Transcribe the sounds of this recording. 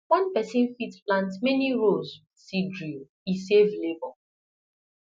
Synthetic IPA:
wʌ̃npɛsɪ̃nfitplãntmɛniɹoz | sidɹio | isevlebɔ

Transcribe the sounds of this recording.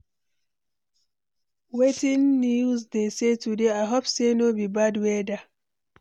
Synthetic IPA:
wetĩnːiuzdesetudeajɦopsenobibadwɛda

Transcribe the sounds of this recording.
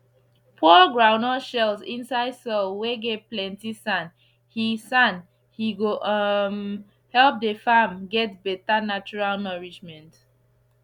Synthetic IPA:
pʰɔɡɹãʊnɔʃɛlsĩnsaɪdsɔlweɡevplɛ̃ntisãn | hisãn | hiɡom | hɛlp̚dəfamɡɛt̚bɛtanat͡ʃuɹalnɔɹid͡ʒmɛ̃nt

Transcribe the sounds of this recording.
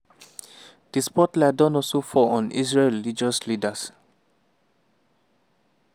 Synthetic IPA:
d̥ispɔtladɔ̃nɔsofɔɔ̃nḭsɹeɹilid͡ʒɔslidas

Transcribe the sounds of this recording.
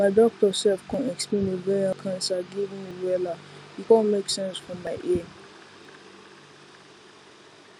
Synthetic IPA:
maɪdɔk̚təsɛlfkʰãnɛksplẽnivɛakʰãnsaɡivĩŋmiwɛlaikɔ̃nmeksɛ̃nsfɹɔ̃mːaɪʔɛ

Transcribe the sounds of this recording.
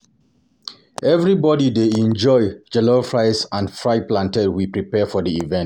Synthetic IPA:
ɛvɹibɔdideɛ̃nd͡ʒɔɪd͡ʒɛlofɹaɪsãnfɹaɪplãntɛdwipɹipɛfɔdiivɛ̃nt

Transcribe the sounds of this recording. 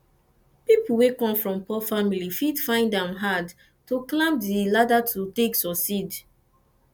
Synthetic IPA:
pipuwekɔ̃mfɹɔ̃mpɔfamilifidfãɪ̃ndãmɦad | tuklãpdiladatʰuteksɔsid

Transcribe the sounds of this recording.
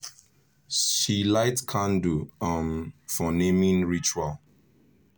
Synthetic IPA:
ʃilaɪtkʰãnduãnfɔnẽmĩnɹit͡ʃual

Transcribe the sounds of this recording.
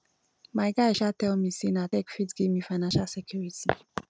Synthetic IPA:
majɡaiʃatɛlmisinatɛkfitɡemifajnãnʃalsɛkʰjuɹitʰi

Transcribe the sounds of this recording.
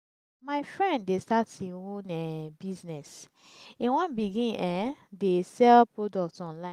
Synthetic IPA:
maɪfɹɛ̃nddestatĩõnɛbiznɛs | ĩwɔ̃nbiɡĩnɛ̃desɛlpɹodɔk̚tɔ̃nlã

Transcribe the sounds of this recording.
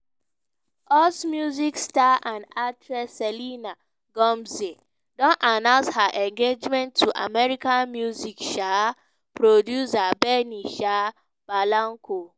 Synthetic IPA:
ɔsmjuzikstaãndatʰɹɛsɛlina | ɡɔ̃mze | dɔ̃nanãʊ̃nshaʔɛ̃ŋɡed͡ʒmɛ̃ntʰːuʔa̰mɛɹikãnmjuzikʃa | pɹodjusabɛniʃa | b̥alãŋkʰo

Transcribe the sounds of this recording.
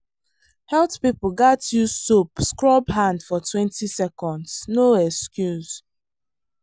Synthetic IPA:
hɛltpipl̩ɡatʰjusopskɹɔbɦãndfɔtʰwɛ̃ntisɛkɔ̃ndz̥noɛkskjuz

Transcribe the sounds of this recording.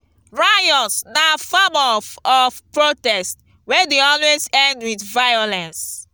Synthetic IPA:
ɹajɔsnafamɔvɔfpɹotɛst | wɛdeɔlwezɛ̃ndwiθvajolɛ̃ns

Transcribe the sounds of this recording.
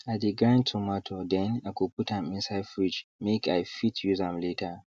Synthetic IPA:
adiɡɾãntʰumɔtʰodɛnakopʊtamɪ̃nsajfɾid͡ʒmekajfitʰjuzamleːta

